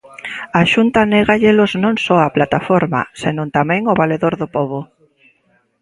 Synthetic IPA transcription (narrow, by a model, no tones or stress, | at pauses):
aʃunt̪aneɣaʎɪloznõŋsɔaplat̪afoɾma̰senõnt̪amɛ̃ŋʊβaleðoɾðopɔβʊ